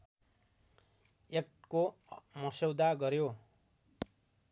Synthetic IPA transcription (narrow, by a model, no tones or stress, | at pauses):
ekʈkomʌsewd̪aɡʌɾjo